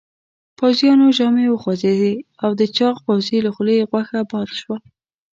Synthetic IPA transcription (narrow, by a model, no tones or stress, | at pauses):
pawzjɑnoʒɑmewəxwazed̪e | awd̪ət͡ʃɑqpawzelaxleɣwaxabɑd̪ʃwal